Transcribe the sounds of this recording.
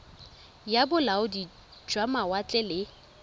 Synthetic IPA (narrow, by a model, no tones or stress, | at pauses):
jabʊlaʊdi̥ | d͡ʒwamawat͡ɬʼɛlɪ